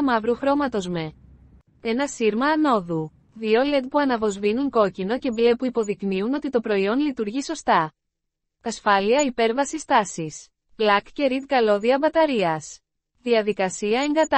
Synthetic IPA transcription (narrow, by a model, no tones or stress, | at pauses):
mɐvɾuxɾo̞mɐt̪o̞zme̞ | e̞nɐsiɾmɐːno̞ðu | ðio̞le̞t̪̚puɐnɐvo̞zvinuŋko̞cino̞ce̞ble̞puipo̞ðikniuno̞t̪it̪o̞pɾo̞io̞nlit̪uɾʝiso̞st̪ɐ | tɐsfɐliɐipe̞ɾvɐsist̪ɐsis | blɐkce̞ɾit̪kɐlo̞ðiɐbɐt̪ɐɾiɐs | ðiɐðikɐsiɐeŋɡɐt̪